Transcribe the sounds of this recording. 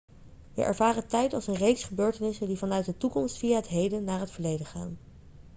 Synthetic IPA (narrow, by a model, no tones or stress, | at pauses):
ʋə̰ʔɛ̰ɹvaːrətɛjtɑlˠsənrejksχəbøːɹtənɪsəndivɑnœɥt̚dətukɔmstfijaːɦətɦejdənnːaːɹɦətfəɹlejdəχa̰ːn